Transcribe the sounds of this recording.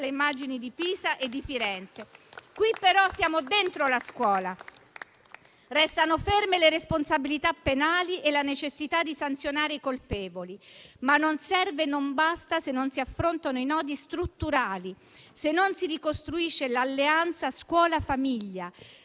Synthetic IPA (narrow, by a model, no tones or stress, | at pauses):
leimːad͡ʒinid̪ipiːzaʔed̪ːifiɾɛnt̪sekwipːeɾɔsːjaːmod̪ent̪ɾolaskwɔːla | rɛst̪anofermeleɾesponsabilit̪apːenaːliʔelanet͡ʃesːit̪ad̪ːisant̪sjonaːɾeikolpɛːvolimanːonsɛrvenombast̪asenːonsiafːɾont̪anoinɔːd̪ist̪ɾut̪ːuɾaːli | senːonsirikost̪ɾuiʃːelalːeant̪saskwɔːlafamiʎːa